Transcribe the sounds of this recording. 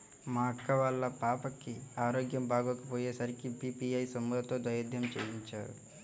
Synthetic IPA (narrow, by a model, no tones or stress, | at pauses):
maːkːɐʋɐlːɐpaːpɐkːiaːɾoːɡjɐmbaːɡoːkɐpoːjeːsɐɾikipiːpiɐjsɐmːuɦ̪ɐt̪oːd̪ʋɐjɐd̪ʱjɐmt͡ʃḛːjiɲt͡ʃa̰ːɾṵ